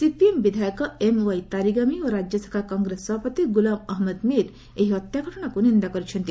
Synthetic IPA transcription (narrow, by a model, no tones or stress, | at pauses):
sipiembid̪ʱajɔkɔemwajt̪aɾiɡamioɾad͡ʒjɔsḁkʰakɔŋɡɾesːɔbʱapɔt̪iɡulamɐɦmed̪miɾ | eɦiɔt̪jakɔɾɔɽ̃akunind̪akɔɾit͡ʃʰɔnt̪i